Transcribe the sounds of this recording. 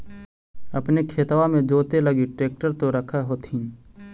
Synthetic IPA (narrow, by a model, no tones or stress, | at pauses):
ɐpnekʰeːt̪ʋamẽd͡ʒoːt̪elɐɡiʈɾeːk̚ʈəɾt̪oɾɐkʰaɦoːt̪ʰĩ